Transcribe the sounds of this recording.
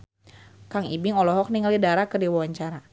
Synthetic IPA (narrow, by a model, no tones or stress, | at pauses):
kaŋḭbɪŋɔlɔɦɔk̚niŋalidaɾakərdiwawaɲt͡ʃaɾa